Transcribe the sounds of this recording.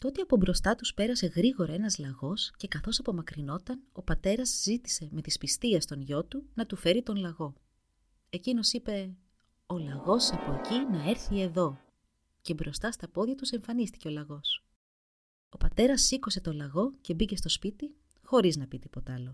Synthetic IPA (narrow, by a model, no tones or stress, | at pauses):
t̪o̞t̪iɐpo̞bɾo̞st̪ɐt̪uspe̞ɾɐse̞ɣɾiɣo̞ɾɐe̞nɐzlɐɣo̞sce̞kɐθo̞sɐpo̞mɐkɾino̞t̪ɐno̞pɐt̪e̞ɾɐzzit̪i̥se̞me̞t̪ispist̪iɐst̪o̞nʝo̞t̪unɐt̪ufe̞ɾit̪o̞nlɐɣo̞ | e̞cino̞sipe̞ | olɐɣo̞sɐpo̞ecinɐe̞ɾçie̞ðo̞ | ce̞bɾo̞st̪ɐst̪ɐpo̞ðʝɐt̪use̞ɱfɐnist̪i̥ce̞o̞lɐɣo̞s | o̞pɐt̪e̞ɾɐsːikose̞t̪o̞lɐɣo̞ce̞bice̞st̪o̞spit̪i | xo̞ɾiznɐpit̪ipo̞t̪ɐɐlo̞